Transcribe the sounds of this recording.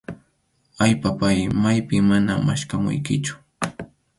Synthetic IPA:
aʎpapajmajpɪŋmanama̰ʃkamʊ̰jkɪt͡ʃʊ̥

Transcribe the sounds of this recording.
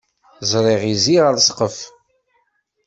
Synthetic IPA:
zˤɾˤiʁiziʁəɾsqəf

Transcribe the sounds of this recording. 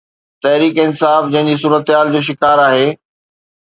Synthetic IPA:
t̪ɐɦɾiːkɪnsaːfd͡ʑɐ̃ɦɪ̃ɲd͡ʑis̬uːɾət̪ɪɦaːld͡ʑoːʃ̬ɪkaːɾaːɦeː

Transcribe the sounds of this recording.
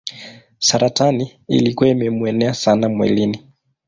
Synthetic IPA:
saɾataniḭlikuaimɛmuɛnɛasanamwɛ̰lini

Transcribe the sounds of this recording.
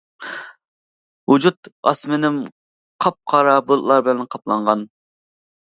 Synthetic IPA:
wud͡ʒut̪ɑ̰smɪnɪm | qʰɑp̚qʰɑɾɑbulˠlˠɑɾbɪlɛnqʰɑplˠɑɴʁɑn

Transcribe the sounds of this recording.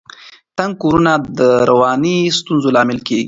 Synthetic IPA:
t̪aŋɡ̚koɾunad̪əɾawɑnist̪unzolɑmɪlkeɡḭ

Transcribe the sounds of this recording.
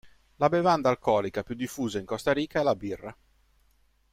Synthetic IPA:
labevand̪aːlkɔːlikapjud̪ːifːuːzaiŋkɔst̪aɾiːkaɛlabirːa

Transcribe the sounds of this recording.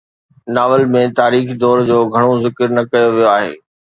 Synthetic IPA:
naːʋəlmẽt̪aːɾiːxd̪ɔːɾd͡ʑoːɡʱɐɽ̃ozɪkəɾnɐkɐjoʋijoaːɦḛː

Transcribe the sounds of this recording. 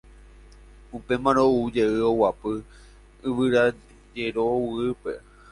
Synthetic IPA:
upe̞mãɾ̃oud͡ʒeɨo̞wapɨ | ɨʋɨɾa | d͡ʒe̞ɾowɨɨpe̞̰

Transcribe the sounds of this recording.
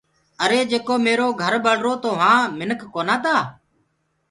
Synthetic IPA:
əɾeːd͡ʒeːkoːmeːɾoːɡʱəɾɓəɽɾoːt̪oːʋãːmɪnəkʰːoːnãːt̪aː

